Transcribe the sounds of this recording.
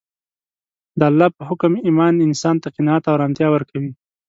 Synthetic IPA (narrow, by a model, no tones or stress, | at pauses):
d̪əalːɑpəhʊkʊmimɑnɪnsɑnt̪aqɪnɑat̪awɾɑnt̪jɑwəɾkawi